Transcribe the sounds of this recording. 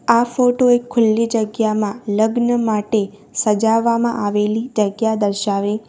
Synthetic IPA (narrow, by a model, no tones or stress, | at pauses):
afoʈoekʰːʊlːid͡ʒəɡjamãləɡnəmaʈe | səd͡ʒaʋːamãʔaʋelid͡ʒəɡjad̪əɾʃaʋe